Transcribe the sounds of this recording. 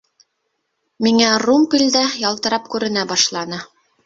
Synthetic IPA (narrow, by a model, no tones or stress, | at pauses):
miŋærumpʲilʲd̪æjɑlˠt̪ɤ̆ɾɑp̚kʉɾɘ̆næbɑʃlˠɑnɤ